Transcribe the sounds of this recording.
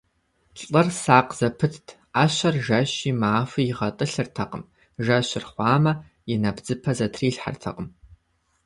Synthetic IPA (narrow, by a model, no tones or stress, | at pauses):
ʈ͡ʂʼɐrsaːqz̥ɐpʰɨtʰtʰ | aːɕɐrʒɐɕiːmaːfɨjɪʁɐtʼɨɬɨrtʰɐqəm | ʒɐɕɪrχʷɑːmɐ | jɪnɐbd͡zɨpʰɐzɐtʰriːɬħa̰rtʰɐ̰qʼəm